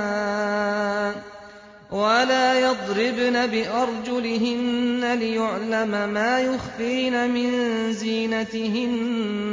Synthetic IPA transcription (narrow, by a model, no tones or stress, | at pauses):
walaːjɑd̪ˤɾɪbnabɪʔɑɾˤd͡ʒʊlɪɦɪnːalɪjʊʕlamamaːjʊxfiːnamɪnziːnat̪ɪɦɪn